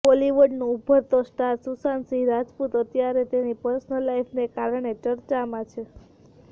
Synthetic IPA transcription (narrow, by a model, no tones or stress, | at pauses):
boliʋəɖnũːbʱət̪osʈaɾsusansiɾad͡ʒput̪ət̪jaɾet̪enipəɾsnəlːajfʰnekaɾɳ̃et͡ʃəɾt͡ʃamãt͡ʃʰe